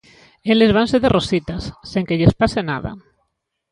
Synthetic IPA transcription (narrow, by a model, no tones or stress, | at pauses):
elezβ̞anseðerosit̪asːeŋkeʎespasena̰ð̞a̰